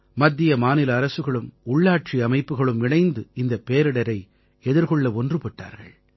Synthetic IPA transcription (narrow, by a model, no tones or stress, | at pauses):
mɐd̪ːɪjɐmaːnɪlɐːɾɐsɯɣɐɭɯmʊɭːaːʈ̚t͡ʃiɐmɐɪpːɯɣɐɭɯmʋɪɳɐɪnd̪ɯɪnd̪ɐpeːɾɪɽɐɾɐɪ | ɛðɪɾkɔɭːɐɔndrɯpɪʈːa̰ːɾɣɐ̰ɭ